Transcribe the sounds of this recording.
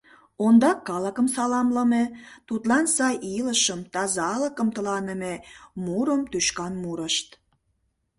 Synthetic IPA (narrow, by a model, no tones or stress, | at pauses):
ond̪ɑkːɑləkəmsɑlɑmləmet̪ut̪lɑnsɑjʔiləʃəmt̪ɑzɑləkəmt̪əlɑnəmemuɾəmt̪yʃkɑnmuɾəʃt̪